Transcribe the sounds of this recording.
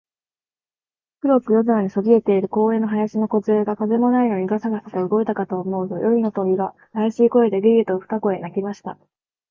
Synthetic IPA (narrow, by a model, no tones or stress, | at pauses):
kɯ̟ɾo̞kɯ̟jo̞zɨɾaɲ̟iso̞ɡʲie̞t̪e̞iɾɯ̟ko̞ːẽ̞nːoɦajaɕino̞ko̞zɨeːɡakaze̞mo̞naij̪o̞ɲ̟iɡasaɡasḁk̪aɯ̟ɡo̞it̪akat̪o̞ːmo̞ɯt̪o̞̰jʔo̞ɾʲino̞t̪o̞bʲiɡa | ajaɕiːko̞e̞d̪e̞ɡʲiet̪oɸɯ̥t̪ako̞e̞nakʲimaɕi̥t̪a